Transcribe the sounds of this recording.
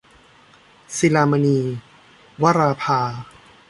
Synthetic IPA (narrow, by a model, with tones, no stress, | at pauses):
si˧laː˧ma˧niː˧ | wa˦˥ɾaː˧pʰaː˧